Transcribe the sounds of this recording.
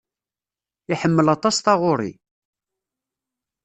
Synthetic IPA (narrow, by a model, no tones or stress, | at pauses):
iħəmːəlɑt̪ˤɑsθɑʁʊɾˤḭ